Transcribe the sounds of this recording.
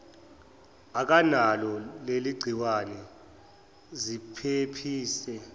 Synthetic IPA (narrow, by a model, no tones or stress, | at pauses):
ak̬analɔleliɡ͡ǀʱiwanɛ | zipʰepʰiːsɛ